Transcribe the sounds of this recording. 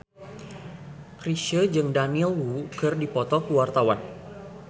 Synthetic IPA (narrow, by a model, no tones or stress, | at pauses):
kɾiʃəd͡ʒɨŋdanilwukɨrdipɔt̪ɔkuwart̪awan